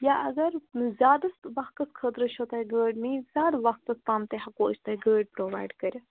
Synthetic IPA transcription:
jaʔɐɡɐɾzʲaːd̪ɐsʋɐhkɐskʰət̪ɾəʃʰot̪ɐjɡəːɖmiz̥ʲaːd̪ʋɐst̪ɐst̪aːmt̪eɦɐkoːt͡ʃʰt̪ɐɡəːɖ̚pɾoːʋa̰ːjɖkɐɾʲ

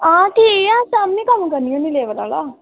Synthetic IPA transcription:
ãːkieãːsamnĩkəmkəɾnijõːnĩːleːʋəla̰ːlaː

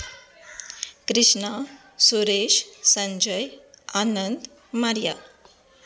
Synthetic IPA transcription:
kɾiʂɳa | suɾeʃsəɲd͡ʒəjanənd̪ | maɾja

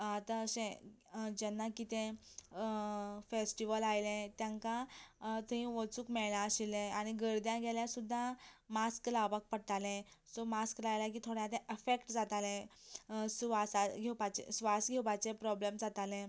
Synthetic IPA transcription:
at̪ãəɕẽd͡ʑɛnːakit̪ẽ | fesʈiʋəlajlẽt̪jãŋkãt̪əɦĩʋət͡suːkmɛɭlãəɕilɛ̃aɽ̃iɡəɾd̪jãɡɛljãsud̪ʱːamasklaʋak̚pəɽt̪alɛ̃sɔmasklajlak̬iːt̪ʰoɽjãt̪ɛ̃ʔefekʈd͡zat̪alɛ̃ | sʋasaɡʱewpat͡ɕḛsʋasɡʱɛwpat͡sepɾɔblemd͡zat̪alẽ

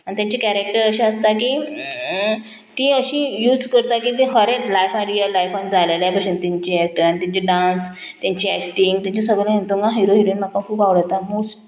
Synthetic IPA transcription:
añit̪jãɲt͡ɕikæɾek̚ʈəɾəɕẽəst̪aki | t̪iːəɕĩjuːd͡zkəɾt̪akit̪̬ĩɦəɾet͡slajfãɾijəlːajfand͡zʱaleljapəsunt̪iɲt͡ɕiæk̚ʈəɾanit̪aɲt͡ɕiɖãns | t̪jãɲt͡ɕiækʈiŋɡt̪ãɲt͡ɕasəɡlãɦẽnt̪oɡãɦiɾoɦiɾonm̤akːãkʰuːpaʋɽət̪amosʈ̚

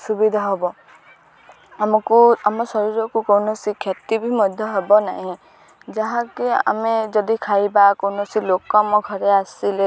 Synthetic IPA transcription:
subid̪ʱaɦɔbɔ | amɔkuamɔsɔɾiɾɔkukɔwnɔsikʰjat̪ibʱimɔd̪ʱjɔɦebɔna̰ɦĩ | d͡ʒaɦãkia̰med͡ʒɔd̪ikʰajbakownɔsilokɔmɔɡʱɔɾeasile

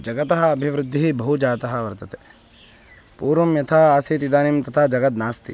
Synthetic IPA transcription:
d͡ʒɐɡɐt̪ɐɦɐɐbʱiʋɾɪd̪ʱːiɦibɐɦud͡ʒaːt̪ɐɦɐ̆ʋɐɾt̪ɐt̪e | puːɾʋɐmjɐt̪ʰaaːsiːt̪id̪aːnimt̪ɐt̪ʰad͡ʒɐɡɐt̪naːst̪ḭ

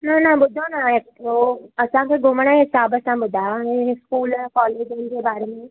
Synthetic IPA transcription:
nanãbʊd̪ʱanaeːk̚oɐsãkeɡʊmɽ̃ãɦɪsaːbɐsãbʊd̪ʱaeskuːlɛ̃kɔːleːd͡ʒenkebaːɾemẽ

